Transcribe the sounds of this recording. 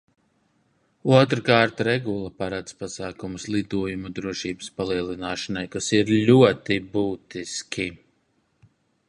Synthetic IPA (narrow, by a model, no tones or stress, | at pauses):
uɔt̪ɾkaːɾt̪ɾɛɡulˠapaɾat̪spasaːkumslˠid̪uɔjumud̪ɾuɔʃiːbɨ̥spalˠiɛlˠinaːʃanajkasiɾlʲuɔt̪ibuːt̪iskʲʰi